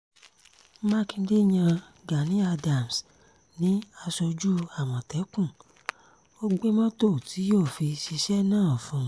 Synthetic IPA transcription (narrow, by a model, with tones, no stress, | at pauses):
ma˦kĩ˧˦de˦˨ɲã˧ | ɡa˨nĩ˦a˧da˨m˨s | nĩ˨˦a˧sɔ˧d͡ʒu˦a˦˨w̃ɔ̃˨tɛ˨˦kũ˦˨ | o˦ɡ͡be˦mɔ̃˦to˦˨tʰi˨˦joː˦˨fi˧ʃi˧ʃɛ˦nãː˦˨ɔ˨fɔ̃˧˨˧